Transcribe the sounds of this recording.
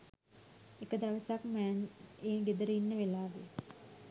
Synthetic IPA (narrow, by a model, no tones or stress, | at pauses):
ekəd̪aʋəsakmæːneːɡed̪əɾəinːəʋelaːʋḛ